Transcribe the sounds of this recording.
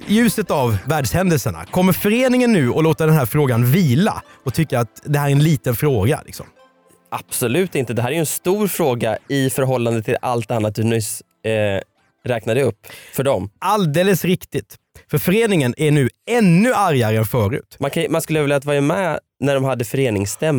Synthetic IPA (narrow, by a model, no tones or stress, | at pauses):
jʉ̟ːsət̪avvæːɖʂhɛnd̪əlsəɳa̰kʰɔmːəɾfœɾeːnɪŋənːʉ̟ːɔloːt̪aɖɛnɦæːɾfɾoːɡanviːla̰ɔt̪ʰʏkːəɾat̪d̪ɛhæːɾæɾɛnliːt̪ənfɾoːɡa̰lɪ̰ksɔ̰m | ab̥sɔlʉ̟ːt̪ɪnt̪əd̪ɛɦæːɾæɾjʏɛnst̪uːɾfɾoːɡaɪfœɾɦɔlːand̪ət̪ʰɪla̰lt̪anːat̪̚hʉnʏs | ɾɛːknad̪əɵpːfœɖɔmʔald̪eːləsɾɪkt̪ɪt̪ | fœɾfœɾeːnɪŋənʔæɳʉ̟ːɛnːɵʔaɾjaɾəɛnfœːɾʉ̟̰ːt̪mankʰamanskɵlːəvɛljat̪vɑːɾamɛ | næɖɔmhad̪ːəfœɾeːnɪŋst̪ɛmː